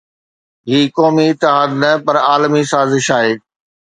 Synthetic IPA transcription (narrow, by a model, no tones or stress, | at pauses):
ɦiːkɔːmiɪt̪ːɪɦaːd̪nɐpɐɾaːlmisaːzɪʃaːɦeː